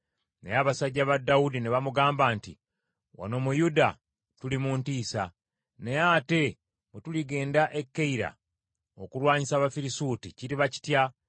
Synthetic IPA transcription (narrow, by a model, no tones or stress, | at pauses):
nḛjaβasaɟːaβadːaudineβamuɡaːmbantḭ | wʔa̰no̞mujuda | tulimuntiːsa | nejate̞ | mutuliɡe̞ːndaʔe̞kːeiɾa̰ | o̰kuɾwaːɲisaːβafiɾisuːticiɾiβaci̥tja